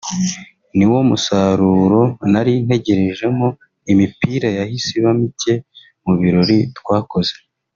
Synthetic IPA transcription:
niwomusaɾuːɾo̞naɾin̥he̞ɟe̞ɾe̞ʒe̞mo | imipiɾajahisiβamice̞ | muβiɾo̞ɾitkwaːko̞ze̥

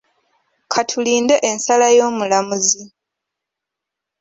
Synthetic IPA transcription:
kʰatʰuliːndeʔensalajo̞ːmulamuzi

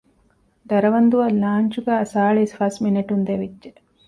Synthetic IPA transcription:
d̪ɐɾɐʋɐnd̪uʋɐlaːɲt͡ʃuɡæɐsaːɭisfɐsmineʈund̪eʋidːd͡ʒe

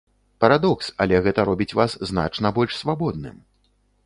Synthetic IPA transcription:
pɐɾad̪ɔksɐlʲɛɣɛt̪ɐɾɔbʲit͡sʲvaszna̰t͡ʂnɐbɔlʲʂsvabɔd̪̚nɨ̰m

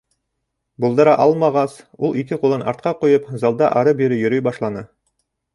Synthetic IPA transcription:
bulˠd̪ɤ̆ɾɑʔɑlˠmɑʁɑs | ulˠikɘqulˠɤnɑ̰ɾt̪̚qɑqujɤpzɑlˠd̪ɑʔɑɾɤbiɾɘjɵ̆ɾɵjbɑʃlˠɑnɤ

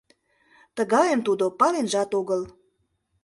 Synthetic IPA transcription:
t̪əɣɑjəmt̪ud̪opɑlenʒɑt̪oɣəl

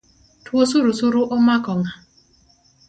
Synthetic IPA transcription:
twosuɾusuɾuʔomakɔŋa

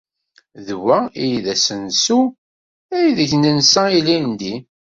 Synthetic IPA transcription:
ðwæijiðæsənsu | æjðəçnənsæilind̪i

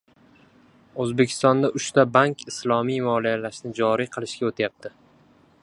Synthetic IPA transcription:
ɵzbekʲʰɪ̥st̪ɒnd̪aʔʊʃt̪abaŋkʲɪslˠɒmijmɒlijalaʃnɪd͡ʒɒɾijqʰɨlˠɪʃkʲaot̪ʰajap̚t̪ʰɪ

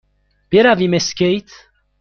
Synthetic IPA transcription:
b̥iɾavimeskejt̪

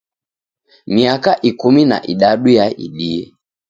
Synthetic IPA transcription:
miakaʔikumina̰ʔiɗaɗujaʔḭɗiɛ

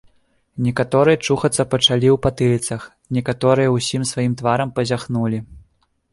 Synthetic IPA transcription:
nʲɛkat̪ɔɾɨjɐt͡ʂuxɐt̪sːɐpɐt͡ʂalʲiwpat̪ɨlʲit̪sɐx | nʲɛkat̪ɔɾɨjɐwsʲimsvajimt̪vaɾɐmpɐzʲaxnulʲi

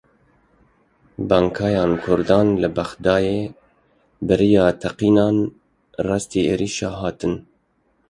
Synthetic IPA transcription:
bɑːŋkʰɑːjɑːnkʰʊɾd̪ɑːnlɨbæxd̪ɑːjeː | bɨɾijɑːt̪ʰɛqiːnɑːn | rɑːst̪iːḛːɾiːʃɑːɦɑːt̪ɨn

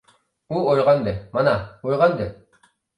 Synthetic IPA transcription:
uojʁɑnd̪ɘmɑnɑojʁɑnd̪e

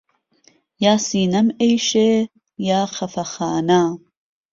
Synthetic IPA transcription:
jaːsiːnɐmejʃe | jaːxɐfɐxaːna

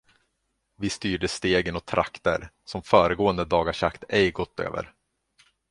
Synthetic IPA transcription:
vɪst̪yːɖəst̪eːɡənɔt̪ʰɾʔa̰kt̪əɾsɔmfœːɾəɡoːənd̪əd̪ɑːɡaʂakt̪ɛjɡɔt̪ʰːø̰ːvə̰ɾ

